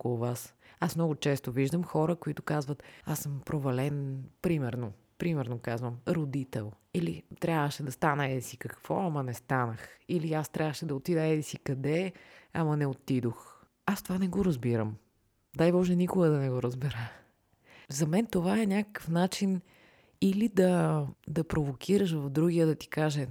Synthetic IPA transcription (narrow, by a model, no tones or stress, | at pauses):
okolˠʊvasasmnɔɡʊt͡ʃɛst̪oviʒd̪əmxɔɾəkoit̪ʊ̥kazvət̪asəmpɾovɐlɛnpɾimɛɾno | pɾimɛɾnokazvəmɾod̪it̪ɛ̰lˠ | ilit̪ɾʲʔavəʃɛd̪ɐst̪anəɛd̪isikɐkv̥ɔɐmɐnɛst̪anəxiliast̪ɾʲʔavəʃɛd̪ɐot̪id̪əɛd̪isikɐd̪ɛɐmɐnɛot̪id̪ox | ast̪ovanɛɡoɾɐzbiɾəm | d̪ajvɔʒɛnikʊɡəd̪ɐnɛɡoɾəzbɛɾə | zɐmɛnt̪ovaɛnʲakə̥kəfnat͡ʃin | ilid̪ɐd̪ɐpɾovokʲʰiɾəʃvɐfd̪ɾuɡijəd̪ɐt̪i̥kaʒɛ